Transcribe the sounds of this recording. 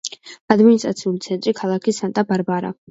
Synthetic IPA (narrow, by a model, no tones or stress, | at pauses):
ad̪minist̪ʼɾat̪sʰiulit̪sʰɛnt̪ʼɾikʰalˠakʰisant̪ʼabaɾbaɾa̰